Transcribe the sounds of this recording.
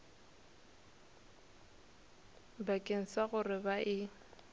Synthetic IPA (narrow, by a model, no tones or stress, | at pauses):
bakʼeŋ̩saɣʊrɪbaʔɪ